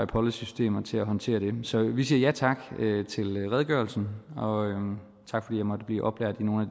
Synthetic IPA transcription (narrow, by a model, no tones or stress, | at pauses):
apʰɒləsysd̥e̝̰ːmɐt͡sʰe̝læɦɒ̽nt͡sʰe̝̰ːɐɾ̥e̝sɒ̽ʋisiːɐjæt͡sʰɑ̈ɡ̥øt͡sʰe̝lʁɛð̞ˠɡ̥ɶɐlsn̩ɒ̽ | t͡sʰɑ̈ɡ̥fɒ̽d̥ḭjɑɪmɒ̽d̥əb̥liːʔɒ̽b̥læɐ̰d̥ino̝ːn̩æ